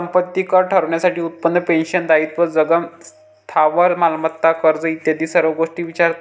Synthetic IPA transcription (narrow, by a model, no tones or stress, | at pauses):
əmpət̪ːikəɾʈʰəɾɳjasaʈiːut̪̚pənːəpenɕənd̪ait̪ʋəd͡zəɡəms | t̪ʰaʋəɾmalmət̪ːakəɾd͡zəit̪jad̪iːsəɾʋəɡoʂʈiːʋit͡ɕaɾ